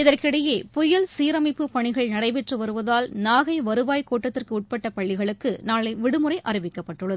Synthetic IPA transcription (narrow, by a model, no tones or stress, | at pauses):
ɪðɐrkɪɽɐjeːpʊjɐlsiːɾɐmɐɪpːɯpɐɳɪɣɐɭnɐɽɐɪʋɛʈrɯʋɐɾɯʋɐðaːlnaːɣɐɪʋɐɾɯʋaːjkoːʈːɐt̪ːɪrkɯʊʈ̚pɐʈːɐpɐɭːɪɣɐɭɯkːɯnaːɭɐɪʋɪɽɯmɯɾɐɪʔɐɾɪʋɪkːɐpːɐʈːɯɭːɐðɯ